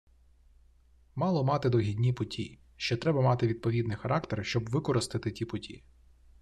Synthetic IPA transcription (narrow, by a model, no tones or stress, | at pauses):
mɑlˠɔmɑt̪ɪd̪ɔɦʲidʲnʲipʊtʲḭj | ʃt͡ʃɔt̪ɾɛbɐmɑt̪ɪʋʲid̪̚pɔʋʲid̪nɪjxɐɾʔɑkt̪erʃt͡ʃɔbʋɪkɔɾɪst̪ɪt̪ɪtʲipʊtʲḭ